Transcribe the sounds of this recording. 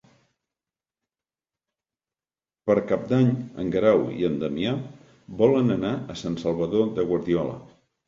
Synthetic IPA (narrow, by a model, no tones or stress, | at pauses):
pəɾkap̚d̪aɲə̰ŋɡɾawḭənd̪əmia | bɔlənənaəsansəlˠβ̞əðoðəɣwəɾðiɔlə̰